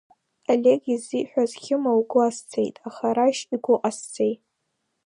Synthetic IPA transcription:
aleɡiziħʷᶣazkʲʰɪmawɡʷʊast͡sʰejtʼaχaɾaʃiɡʷʊqʼast͡sʰʼejtʼ

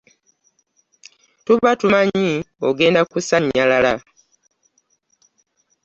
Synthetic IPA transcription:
tuβatumaɲioɡe̞ːndakusaɲːalala

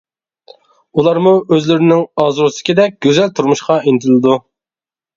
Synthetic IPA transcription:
ulˠɑɾmuʔøzlɪɾɪnɪŋɑzɾusɪ̥kʲʰed̪ɛk̚ʲɡ̥ʲøzɛlt̪ʰuɾmuʃqɑint̪ʰlˠɨd̪u

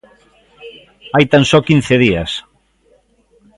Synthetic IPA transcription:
ajt̪ansɔkin̟θeðia̰s

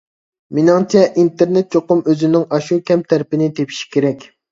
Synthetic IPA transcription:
menɪŋt͡ʃʰɛʔint̪eɾnet̪̚t͡ʃʰoqʊmøzɪnɪŋɑʃukʲʰɛmt̪ʰæɾpɪnɪt̪ʰepʰi̥ʃi̥kʲeɾɛkʲ

